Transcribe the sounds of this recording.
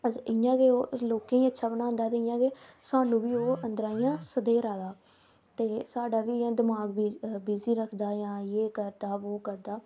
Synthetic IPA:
əɪjãːkeːoːloːkẽːĩːətːʃʰaːbənaːə̃nd̪aːt̪eːɪjãːɡeːsaːnũːbiːoːənd̪əɾaːiːjãːsəd̪eːɾaːd̪aː | t̪eːsaːɖaːʋiːãːd̪ɪmaːɡbibiːziːɾəkʰd̪aːjãːjeːkəɾd̪aːʋoːkəɾd̪aː

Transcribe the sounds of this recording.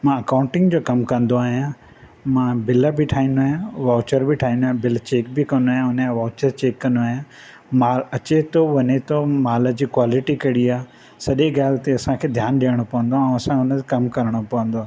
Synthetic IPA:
mãɐkãːʊ̃ɳʈɪ̃ŋɡd͡ʑoːkɐmkɐ̃nd̪oaːɦijã | mãbɪləbɪʈʰaːɦĩːnd̪oaːɦjãʋaːt͡ɕəɾbɪʈʰaːɦĩnd̪oːɦjãbɪlt͡ɕeːk̚bɪkɐnd̪oaːɦjãʊnəẽʋaːt͡ɕəɾt͡ɕeːkːɐ̃nd̪oaːɦjã | maːlɐt͡ɕet̪oʋɐɲet̪omaːlə̆d͡ʑiːkwaːlɪʈikɐɽiaː | sɐʄeɡaːlt̪eɐsãkʰeːd̪ʱjaːnɗijəɽ̃opɐʋə̃nd̪oãɐsãʊnət̪ekɐmkɐɾəɽ̃opɐʋə̃nd̪oaː

